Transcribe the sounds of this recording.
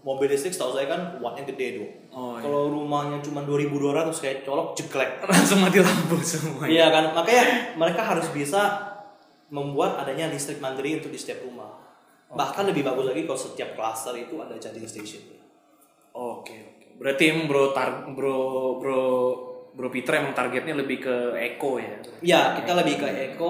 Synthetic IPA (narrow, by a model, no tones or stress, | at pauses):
mobildist̪ɾɪkst̪ausajakanwat̪ɲaɡədedʊ | kaloɾumahɲaŋt͡ʃumanduaɾibudoaɾat̪ʊskajat͡ʃɔlɔk̚d͡ʒəɡlɛk̚laŋsʊŋmat̪ilambʊsəmuaijakanmakajaŋməɾekaɦaɾʊsbisa | məmbuat̪̚adaɲadist̪ɾɪk̚mand̪ɾiunt̪ʊk̚dist̪iap̚rumah | bahkanləbɪhbaɡʊslaɡikalosət̪iap̚klasərit̪uadad͡ʒadinst̪esɔn | okeokebəɾart̪iemaŋbəɾot̪arbɾobɾɔ | bəɾɔpit̪əɾjamaŋt̪arɡɛt̪̚ɲaləbɪhkəekojat̪jakit̪aləbɪkəʔeko